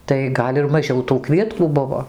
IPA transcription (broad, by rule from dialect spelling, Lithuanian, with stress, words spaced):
tɐɪ ˈɡɐlʲ ɪr mɐˈʒʲɛʊ tuː ˈkʋʲiɛtkuː ˈbʊʋoː